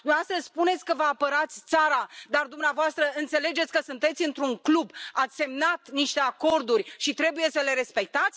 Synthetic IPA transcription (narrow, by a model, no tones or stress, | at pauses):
d̪uast̪əspune̞t̪sʲkəvəapəɾat̪sʲt̪saɾad̪ard̪umneavoast̪ɾəɨnt̪se̞le̞d͡ʒet̪ʲkəsunt̪e̞t̪sʲɨnt̪ɾuŋklubat̪sʲse̞mnat̪niʃt̪e̞ako̞rd̪urʲʃit̪ɾe̞buje̞səle̞ɾe̞spe̞k̚t̪at̪sʲ